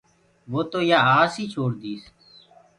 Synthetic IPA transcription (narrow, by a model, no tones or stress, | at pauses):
ʋoːt̪oːjaːaːsiːt͡ʃʰoːɽd̪iːs